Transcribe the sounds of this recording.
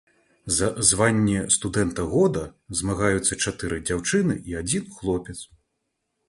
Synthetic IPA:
zɐzvanʲːɛst̪ud̪ɛnt̪ɐɣɔd̪ɐzmaɣajut̪sːɐt͡ʂat̪ɨɾɨd͡zʲawt͡ʂɨnɨʔiad͡zʲinxlˠɔpʲɛt̪s

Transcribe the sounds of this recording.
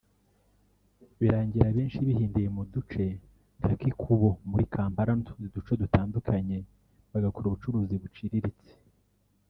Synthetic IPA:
βiɾaːɲɟiɾaβiːnʃiβihiːndijemudut͡ʃe̞ | ŋakikʰuβo̞muɾikʰaːmpaɾantu̥nzidut͡ʃodutaːndukʰaɲe̞ | βaɡakoɾuβut͡ʃuɾuːziβut͡ʃiɾiɾit͡se̥

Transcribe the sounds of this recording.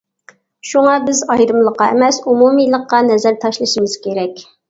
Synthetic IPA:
ʃuŋɑbɪzɑjd̪ɨmlˠəqːɑḛmɛsumumilˠəqːɑnɛzæɾt̪ʰɑʃlˠɨʃimɨz̥kʲʰeɾɛkʲ

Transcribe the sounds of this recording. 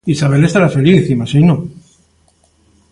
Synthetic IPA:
isaβ̞e̞le̞st̪aɾafeliθimasino

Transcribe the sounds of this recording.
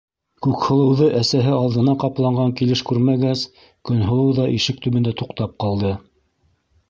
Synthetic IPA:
kʉkhŏlˠɤ̆wðɤʔæsæɦɘɑlðɤ̆nɑqɑplˠɑɴɢɑŋkilɘʃkʉɾmæɡaz | kɵ̆nɦŏlˠɤwðɑʔiʃɘk̚t̪ɵ̆βɘ̆nd̪æt̪uqt̪ɑp̚qɑlˠd̪ɤ

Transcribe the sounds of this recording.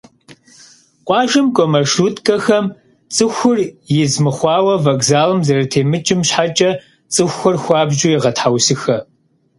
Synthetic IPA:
qʷʼɑːʒɨmkʷʼɔmɐʂuːtkʼɐxɐm | t͡sʼɨxʷʊrjɪzmɨχʷɑːwɐvɐɡzaːlɨmzɐrɐtʰeːmɨt͡ʃʼɪmɕħat͡ʃʼɐ | t͡sʼɨxʷɔrxʷɑːbʒujɪʁɐtħawsɨxɐ

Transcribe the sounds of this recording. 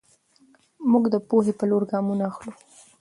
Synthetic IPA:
muɡd̪əpoɦepəloɾɡɑmunaːxlu

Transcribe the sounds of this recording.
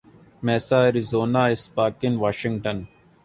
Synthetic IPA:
meːsaːɾizoːnaːɪspaːkɪnʋaːʃɪ̃ŋɡʈɐn

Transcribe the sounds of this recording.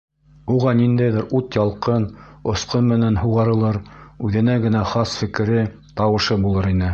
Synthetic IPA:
uʁɑnind̪æjðɘɾut̪jɑlˠqɤn | ŏsqɤnmɘ̆nænɦuʁɑɾɤ̆lˠɤɾʉðɘ̆næɡɘ̆næχɑsfɘ̆kɘ̆ɾɘ | t̪ɑwɤ̆ʃɤbulˠɤɾinɘ

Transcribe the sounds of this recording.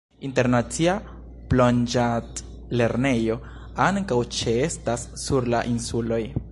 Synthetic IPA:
inte̞ɾnat͡sia | plond͡ʒat | le̞ɾne̞jo̞ | aŋkawt͡ʃe̞e̞stasːuɾla̰ʔinsulo̞j

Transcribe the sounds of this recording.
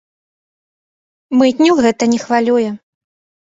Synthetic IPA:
mɨt̪ʲnʲɛwɣɛt̪ɐnʲɛxvalʲujɛ

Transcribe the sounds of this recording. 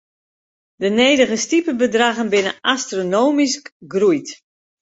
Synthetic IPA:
dəneːdəɣəstipəbədraɣənbɪnə̰ʔastronoːmiskɡrujt

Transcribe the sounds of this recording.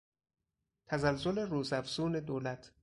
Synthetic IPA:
t̪ʰæzælzoleɾuːzæfz̥uːne̞d̪oːlæt̪ʰ

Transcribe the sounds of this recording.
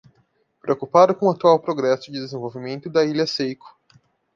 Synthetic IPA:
pɾeokupad̪ʊkõat̪uawpɾoɡɾɛsʊd͡ʒɪd̪ezẽvowvimẽnt̪ʊd̪ɐilɐsejkʊ̥

